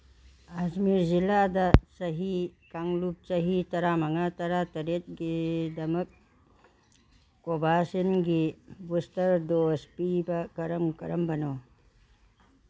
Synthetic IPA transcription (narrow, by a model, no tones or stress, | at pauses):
ad͡ʒmiɾziladɐsɐɦikaŋlup̚t͡ʃɐɦitɐɾamɐŋatɐɾatɐɾet̚ɡidɐmɐk̚ | obasinɡibustɐɾdospibɐkɐɾɐmkɐɾɐmbɐno